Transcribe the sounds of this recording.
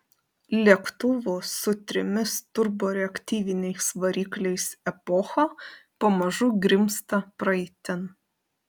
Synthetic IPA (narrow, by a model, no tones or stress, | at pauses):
lʲiɛkt̪ʊʋʊsʊt̪ʲɾʲɪmʲɪst̪ʊɾboːɾʲɛɐkʲt̪ʲiːʋʲɪnʲɛɪsʋɐɾʲiːklʲɛɪsɛpɔxɐpoːmɐʒʊɡɾʲɪmst̪ɐpɾɐɛɪt̪ʲɪn